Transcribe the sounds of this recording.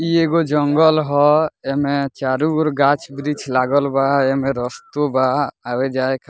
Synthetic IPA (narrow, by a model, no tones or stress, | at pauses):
ieɡod͡ʒɔŋɡɔlɦɔɛmɛt͡ʃaɾuɾɡat͡ʃbɾit͡ʃlaɡɔlbaɛmɛɾɔst̪obaːwed͡ʒajkʰ